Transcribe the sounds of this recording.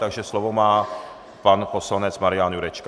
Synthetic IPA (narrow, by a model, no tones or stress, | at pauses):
t̪aɡʒɛslo̞vomaː | panpo̞slanɛt͡smaɾɪjanjuɾɛt͡ʃka